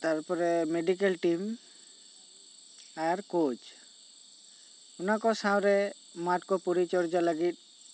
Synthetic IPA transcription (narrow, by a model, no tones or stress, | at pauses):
t̪aɾpɔɾɛmeɖik̬elʈim | aɾkot͡ʃ | unakɔsãw̃ɾɛ | maʈ̚kɔpuɾit͡ʃɔɾd͡ʒaləɡit̪̚